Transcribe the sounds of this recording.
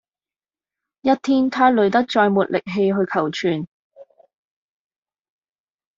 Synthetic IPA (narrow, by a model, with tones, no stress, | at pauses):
jɐ˥t̚t̪ʰiː˥nt̪ʰaː˥lɵ˨˧ɥt̪̬ɐ˥k̚t͡ʃɔː˧jmuː˨t̚lɪ˨k̚ɦe˧jɦɵ˧ɥkʰɐ˨˩wt͡ʃʰyː˨n